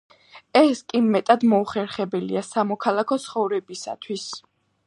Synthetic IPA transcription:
ɛskʼimɛt̪ʼad̪mɔuχɛɾχɛbɛlḭasamɔkʰalˠakʰɔt̪sʰχɔvɾɛbisa̰t̪ʰwis

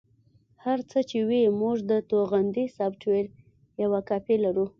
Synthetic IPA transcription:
haɾt͡sət͡ʃewimuʐd̪ət̪oɣand̪isɑbʈweɾ | jawakɑpelaɾu

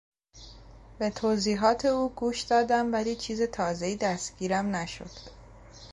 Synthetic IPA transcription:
be̞t̪ʰoːziːɦɒːt̪ʰe̞uːɡuːʃd̪̥ɒːd̪æmvæliːt͡ʃʰiːzet̪ʰɒːze̞iːd̪æst̪ɟ̥iːɾæmnæʃo̰d̪̥

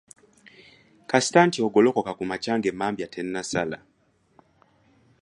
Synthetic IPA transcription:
kasi̥taːntioɡo̞lo̞ko̞kakumacaːŋɡe̞mːaːmbjatʰe̞nːasala

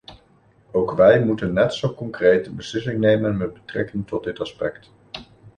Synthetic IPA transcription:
owkʋɛjmutənːɛtsowkɔŋkrejtəbəslɪsɪŋnejmənmɛd̚bətrɛ̰kɪŋtɔd̚dɪtɑspɛ̰kt

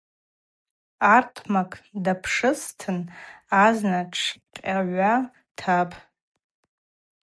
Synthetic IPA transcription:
artʰmakʰʼdapʰʂɨstʰɨnaznaʈ͡ʂʰqʲʼaʕʷa | tʰapʰʼ

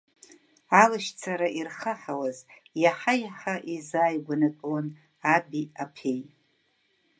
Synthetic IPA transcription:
alɨʃt͡sʰaɾaʔirχaħawaz | jaħajaħaʔizaːjɡʷanatʼwan | abiapʰej

